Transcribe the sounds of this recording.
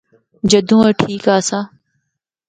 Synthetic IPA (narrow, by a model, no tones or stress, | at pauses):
d͡ʒəd̪ʱũːəʈʰiːkaːsaː